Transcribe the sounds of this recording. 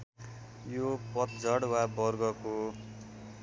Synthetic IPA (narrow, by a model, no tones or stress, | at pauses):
jopʌt̪d͡zʱʌɽwabʌrɡʌko